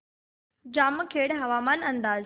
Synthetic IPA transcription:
d͡ʑaːməkʰeːɽɦɐʋaːmaːnɐ̃nd̪aːz

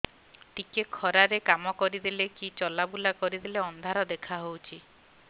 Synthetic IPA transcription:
ʈikekʰɔɾaɾekamɔkɔɾid̪ilekit͡ʃɔlabulakɔɾid̪ileɔnd̪ʱaɾɔd̪ekʰaɦowt͡ʃʰi

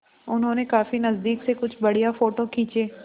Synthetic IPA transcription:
ʊnɦõːnekaːfinəzd̪iːksekʊt͡ʃʰbəɽijaːfoːʈoːkʰĩːt͡ʃeː

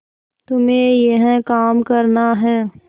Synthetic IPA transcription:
t̪ʊmẽjeɦɛ̃kaːmkɐɾnaɦɛː

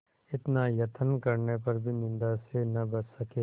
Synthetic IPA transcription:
ɪt̪najɐt̪ʰənkɐɾnepɐɾbʱinɪ̃nd̪asenɐbɐsːɐke

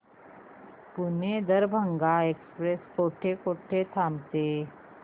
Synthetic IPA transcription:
puned̪əɾbʱəŋɡaekspɾeskoːʈʰekoːʈʰet̪ʰamt̪e

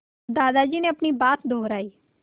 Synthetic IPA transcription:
d̪aːd̪ad͡ʒiːneɐpɳ̃ibaːt̪d̪ʱoːɾaːiː

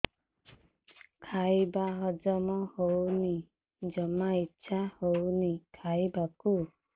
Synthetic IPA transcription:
kʰajbaɦɔd͡ʒɔmɔhowni | d͡ʒɔmaitːʃʰahownikʰajbaku

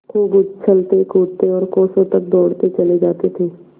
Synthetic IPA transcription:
kuːɡʊd͡ʒt͡ʃʰəlt̪ekuːt̪eɔːɾkoːsõt̪ək̚d̪ɔːɽt̪et͡ʃəled͡ʒaːt̪et̪ʰeː

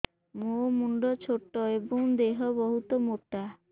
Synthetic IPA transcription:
momuɳɖɔt͡ʃʰoʈɔebɔŋd̪eɦɔbɔɦut̪ɔmoʈa

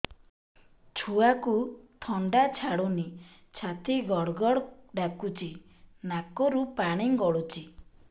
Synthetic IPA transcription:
t͡ʃʰuakut̪ʰɔɳɖat͡ʃʰaɽuni | t͡ʃʰat̪ʰiɡɔɽɡɔɽɖakut͡ʃi | nakɔɾupaɽ̃iŋɡɔɽut͡ʃi

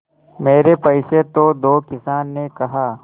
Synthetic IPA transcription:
meːɾepɐɪʃet̪od̪oːkɪsaːnːekɐɦaː

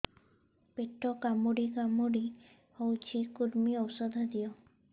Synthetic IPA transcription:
peʈɔkamuɽikamuɽi | howt͡ʃʰikuɾmiɔwsɔd̪ʱad̪ijɔ

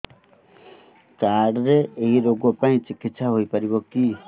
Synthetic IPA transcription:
kaɽɾeeɦiɾoɡɔpaĩt͡ʃikit̪saɦojpaɾibɔki

